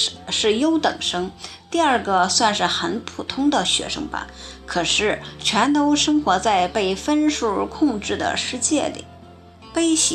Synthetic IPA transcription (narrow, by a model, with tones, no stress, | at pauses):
ʂɻ̩˥˩jo˥ʊt̪ɤ̰˨˩ŋʂɤ˥ŋt̪i˥˧ɐ˞˥˧˩ɡə˧swa˥˧nʂɻ̩˥˩xə˧˥npʰu˨˩t̪ʰʊ˥ŋd̪ə˨ɕɥɛ̰˧˥ʂɤ̰˥ŋpa̰˧˩n | kʰɤ˨˩ʂɻ̩˥˩t͡ɕʰɥɛ˧˥nt̪o˥ʊʂɤ˥ŋxwɔ˧˥t͡sa˥˧ɪpe˥˩ɪfə˥nʂu˥˩˧kʰʊ˥˧ŋʈ͡ʂɻ̩˥˩d̪ə̰˩ʂɻ̩˥˧t͡ɕjɛ˥˩lḭ˨˩ | pe˥ɪɕi˧˥